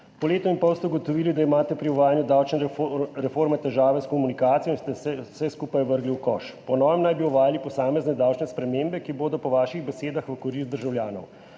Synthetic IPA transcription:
pɔleːt̪ɔinpɔwst̪ɛuɡɔt̪ɔʋiːlid̪aimaːt̪ɛpɾiɔʋaːjanjud̪awt͡ʃnɾɛfoɾmɛt̪ɛʒaːʋɛskɔmunikaːt̪sijɔinst̪ɛɛsɛskuːpajʋəɾɡliwkɔ̰ʃpɔnɔːjɛmnajbiɔʋaːjalipɔsaːmɛznɛd̪awt͡ʃnɛspɾɛmeːmbɛkiboːd̪ɔpɔʋaːʃiɣbɛseːd̪axʋəkɔɾist̪d̪əɾʒawljaːnɔ̰w

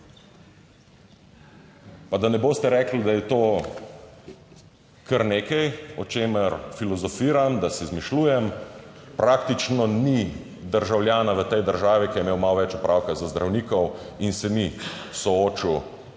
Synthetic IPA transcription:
pad̪anɛboːst̪ɛɾɛːklid̪ajɛt̪oː | kʰəɾneːkɛjɔt͡ʃeːməɾfilɔzɔfiːɾamd̪asɛzmiʃluːjɛmpɾak̚t̪it͡ʃnɔni | d̪əɾʒawljaːnaʋət̪ɛjd̪əɾʒaːʋikijɛmeːwmalʋɛt͡ʃɔpɾʔawkazazd̪ɾʔawniːkɔwinsɛmi | sɔoːt͡ʃiw

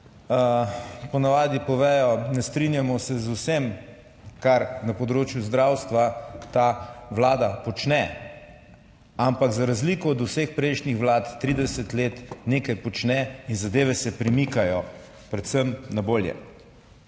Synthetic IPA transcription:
pɔnaʋaːd̪ipɔʋɛːjɔnɛst̪ɾinjamɔsɛzusem | kaɾnapɔd̪ɾoːt͡ʃjuzd̪ɾawst̪ʋat̪aʋlaːd̪apɔt͡ʃnɛ | ampakzaɾazlikɔːd̪usexpɾɛjʃnixʋlaːt̪t̪ːɾid̪ɛsət̪leːt̪neːkajpɔt͡ʃnɛinzad̪eːʋɛsɛpɾɛmikajɔ | pɾɛt̪səmnaboːljɛ̰

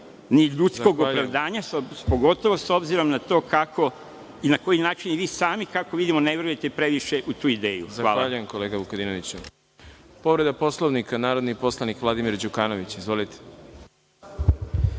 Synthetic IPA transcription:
niʎut̪sko̞ɡopɾaʋd̪aːɲaspoɡo̞t̪o̞ʋo̞so̞bziɾo̞mnat̪o̞ːkakʰo̞ | inako̞jinaːt͡ʃinʋiːsaːmikakoʋid̪imoneʋɾujet̪epɾe̞ʋiʃe̞ʔut̪uːid̪e̞ːjṵzzavʋaːlaːʎujemkoleɡaʋukod̪inoʋit͡ɕu | po̞ʋɾe̞d̪apo̞slˠo̞ʋnikanaːɾod̪nipo̞slˠanikʋlˠad̪imiɾd͡ʑukaːno̞ʋit͡ɕizʋo̞lit̪e̥

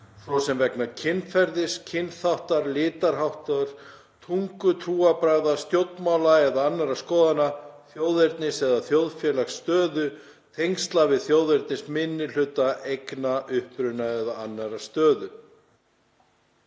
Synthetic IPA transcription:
sɔsɛmvɛknacʰɪnːfɛɾðɪscʰɪnθawht̪aɾlɪːt̪aɾ̥ɦawht̪aɾ̥ | t̪ʰuŋkʏt̪ʰɾuːapɾaːðḁst̪jowt̪nmawlaɛðaanːaɾaskɔːðanaθjowðeɾt̪nɪsɛðaθjowðfjɛːlaxst̪œːðʏ | t̪ʰejŋst̪lavɪðθjowðeɾt̪nɪsmɪnːɪl̥ʏt̪aʔejknaʔʏhpɾʏnaɛðaanːaɾast̪œːðʏ

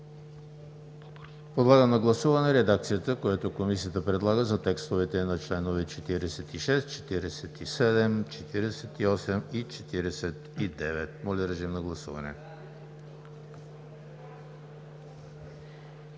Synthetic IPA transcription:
pod̪lˠaɡənɐɡlˠɐsuvɐnɛɾɛd̪ak̚t̪sijət̪əkojat̪okomisiət̪əpɾɛd̪lˠaɡəzɐt̪ɛkst̪ovɛt̪ɛnɐt͡ʃlɛnovɛt͡ʃɛt̪iɾɛsɛt̪iʃɛst̪t͡ʃɛ̥t̪iɾɛsɛt̪isɛd̪ɛmt͡ʃɛt̪iɾɛsɛt̪iɔsɛmit͡ʃɛt̪iɾɛsɛt̪id̪ɛvɛt̪mɔlʲəɾɛʒimnɐɡlˠɐsṵvɐ̰nɛ̰

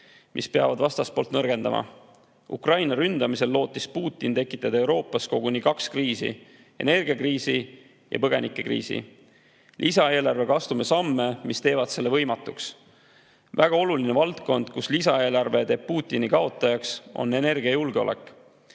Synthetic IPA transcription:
mʔḭspeɑ̰vɑd̪vɑst̪ɑspo̞lt̪nɤrɡ̥e̞nd̪̥ɑ̰mʔɑ̰ | ṵkrɑjnɑɾynd̪̥ɑmise̞lːo̞ːt̪ːˑispuːt̪ˑːint̪e̞kːˑi̥t̪ːˑɑd̪ɑewɾo̞ːpːˑɑsko̞ɡ̥unikɑkskriːsḭ | e̞ne̞rɡ̥iɑkriːsi | jɑ̰pɤɡ̥e̞̰nikːˑe̞krḭːsḭ | lʔisɑe̞ːlɑrvekɑst̪umesɑmːe̞mist̪e̞ːvɑd̪se̞lːe̞vɤ̞jmɑt̪ːˑuks | væɡ̥ɑo̞lulinevɑlt̪ko̞nd̪̥kuslisɑe̞ːlɑrve̞t̪e̞ːb̥̚puːt̪ːˑinikɑo̞t̪ˑːɑjɑkso̞̰nːe̞ne̞rɡ̥iɑjulɡ̥eo̞̰lʔe̞̰kːˑ

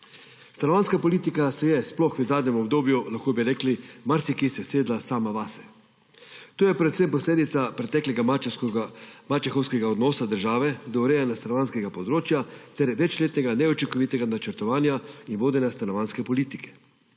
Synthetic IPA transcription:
st̪anɔʋaːnskapɔlit̪ikasɛjɛsplɔxʋɛzaːd̪nɲɛmɔbd̪oːbjulaxkoːbiɾɛːklimaɾsikisɛseːd̪lasaːmaʋaːsɛ̥ | t̪oːjɛpɾɛt̪sempɔsleːd̪it̪sapɾɛt̪ɛːklʲɛɡa | mat͡ʃɛxɔwskɛɡaɔd̪nɔːsad̪əɾʒaːʋɛd̪ɔwɾɛjɛnast̪anɔʋaːnskɛɡapɔd̪ɾoːt͡ʃjat̪ɛɾʋɛt͡ʃleːt̪nɛɡanɛɔt͡ʃiŋkɔʋit̪ɛɡanat͡ʃəɾt̪ɔʋaːnjainʋoːd̪ɛnjast̪anɔʋanskɛpɔliːt̪ikɛ̥

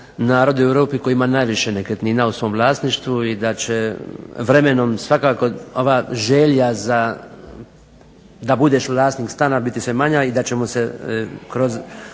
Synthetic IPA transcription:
naːɾo̞d̪iueʋɾoːpiko̞jiimanaːjʋiʃenekɾet̪niːnausʋo̞ːmlˠaːsniʃt̪ʋuid̪at͡ɕeʋɾe̞menomsʋakaːko̞o̞ʋaʒeʎjaza | d̪abud̪eːʃʋlˠaːsnikst̪aːnabit̪isʋe̞maɲaid̪at͡ɕemosekɾo̞z

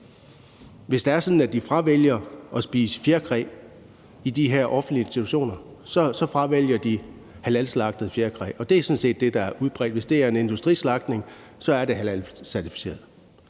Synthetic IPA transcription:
ʋe̝sd̥ɑ̈æɐsɔ̽nn̩æd̥ifʁɑ̈ʋeljɐʔɒ̽sb̥ḭːsə̥fjeɐkʰʁɛ̰ː | id̥iɦeɐ̰ʔɒ̽fn̩d̥liensit͡sʰuɕo̝̰ːnɐ | sɒsɒ̽fʁɑ̈ʋel̰jɐd̥i | hælælslɑ̈ɡ̥̚d̥ð̩ˠfjeɐkʰʁɛ̰ːɒ̽d̥e̝æsɔ̽nse̝̰ːd̥ːe̝d̥ɑ̈æɐʔuð̞̩ˠb̥ʁɛ̰ːd̥ʋe̝sd̥e̝æɐe̝ne̝nd̥usd̥ʁḭːslɑ̈ɡ̥̚d̥ne̝ŋ | sɒ̽æɐɾe̝ɦælælsæɐt͡sʰi̥fi̥se̝̰ːɐð̩ˠ

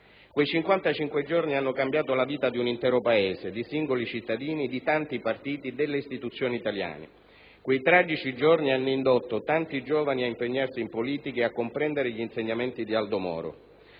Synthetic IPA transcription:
kwejt͡ʃiŋkwant̪at͡ʃiŋkwed͡ʒornianːokambjaːt̪olaviːt̪ad̪iunint̪ɛːɾopaeːzed̪isiŋɡolit͡ʃit̪ːad̪iːnid̪it̪ant̪ipart̪iːt̪id̪elːeist̪it̪ut̪sːjoːniit̪alja̰ːnḛ | kwejt̪ɾad͡ʒit͡ʃid͡ʒornianːoind̪ot̪ːot̪ant̪id͡ʒoːvaniaimpeɲːarsiːmpoliːt̪ikeakːompɾɛnd̪eɾeʎiːnseɲːament̪id̪iald̪omɔ̰ːɾo̰

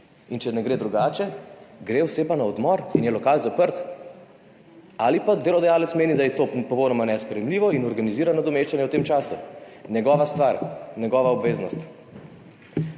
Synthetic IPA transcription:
int͡ʃɛnɛɡɾeːd̪ɾuɡaːt͡ʃɛɡɾeːwsɛpanaɔd̪mɔɾinjɛlɔkaːlzapəɾt̪ | aːlipad̪eːlɔd̪ajaːlɛt̪smeːnid̪ajɛt̪opɔpɔwnɔmanɛspɾɛjɛmliʋɔinɔɾɡaniziːɾanɔd̪ɔmeːʃt͡ʃanjɛwt̪eːmt͡ʃaːsunʲjɛɡɔʋast̪ʋaɾnʲɛɡɔʋaɔbʋeːznɔst̪

